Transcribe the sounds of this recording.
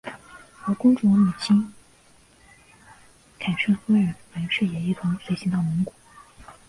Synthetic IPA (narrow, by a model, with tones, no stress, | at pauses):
xə˧˥kʊ˥ŋʈ͡ʂwɔ˧˥mu˨˩t͡ɕʰi˥ŋ | kʰa˨˩nʂɤ˥˩xə˥ɻə˧˥nwa˧˥ʂɻ̩˥˩jɛ˨˩i˥˩t̪ʰʊ˧˥ŋswe˧˥ɪɕi˧˥ŋt̪ɑ˥˩ʊmʊ˧˥ŋkwu˨˩˦